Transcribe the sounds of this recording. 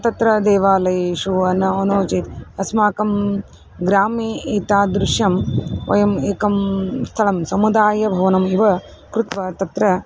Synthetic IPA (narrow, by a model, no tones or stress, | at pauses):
t̪ɐt̪ɾɐd̪eːʋaːlɐjeːʃuɐnːɐonoːt͡ʃit̪ɐsmaːkɐm | ɡɾaːmeːʔeːt̪aːd̪ɾuʂjɐmʋɐ̰jɐmeːkɐmst̪ʰɐlɐmsɐmud̪aːjɐbʱɐʋɐnɐmiʋɐ | kɾut̪ʋɐt̪ɐt̪ɾɐ